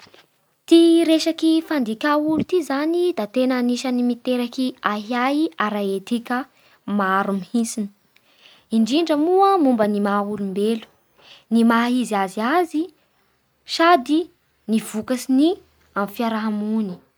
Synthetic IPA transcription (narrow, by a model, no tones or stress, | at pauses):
t̪iɾeʃakifand̪ikʲaulut̪izanid̪at̪enaːniʃanimit̪eɾakiaɦiajaɾaet̪ikʲə | maaɾumihinsini̥ | iɳɖ͡ʐiɳɖ͡ʐəmuəmumbənimaulumbelu̥ | nimaɦiziaziazi | ʃad̪i | niv̥ukasini | amfiaɾaɦamuni̥